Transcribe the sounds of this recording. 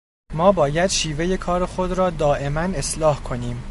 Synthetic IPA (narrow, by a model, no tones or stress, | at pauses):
mɒːbɒːjæd̪̥ʃiːve̞je̞kʰɒːɾexo̞d̪ɾɒːd̪ɒːʔe̞mæne̞slɒːhkʰo̞niːm